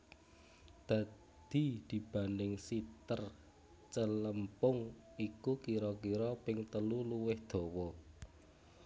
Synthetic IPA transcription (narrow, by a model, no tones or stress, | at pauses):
d̪̥ä̤ | d̪̥i̤d̪̥i̤b̥a̤ndɪŋsit̪ər | t͡ʃələmpʊŋikukiɾɔkiɾɔpɪŋt̪əluluwɪhd̪̥ɔ̤wɔ